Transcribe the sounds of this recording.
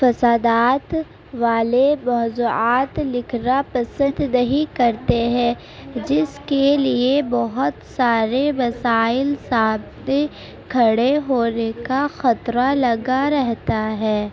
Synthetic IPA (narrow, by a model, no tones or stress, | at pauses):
fɐsaːd̪aːt̪ | ʋaːlemɔːzuːaːt̪lɪkʰɾapɐsə̃nd̪nɐɦikɐɾt̪eɦɛ̃ː | d͡ʒɪskeliebɔɦʊt̪saːɾeʋɐsaːɪlsaːbt̪e | kʰɐɽeɦoːnekaxɐt̪ɾalɐɡaɾɛɦt̪aɦɛː